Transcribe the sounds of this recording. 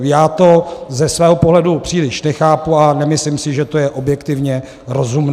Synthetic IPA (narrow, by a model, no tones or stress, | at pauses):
jaːt̪o̞zɛsvɛːɦo̞po̞ɦlɛdupr̥iːlɪʃnɛxaːpuanɛmɪslɪmsɪʒɛt̪o̞jɛʔo̞bjɛkt̪ɪvɲɛ | ɾo̞zumn